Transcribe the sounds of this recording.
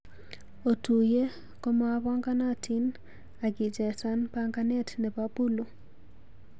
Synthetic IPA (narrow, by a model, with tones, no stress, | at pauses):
o˨tu˨je˦ | ko˦mɔ˦a˦βɔ˦ŋɡa˦na˦tʰi˦n | a˨ɡi˨d͡ʒɛ˨sa˦npaŋɡa˦nɛ˦tnɛ˨pa˦pu˦lo˨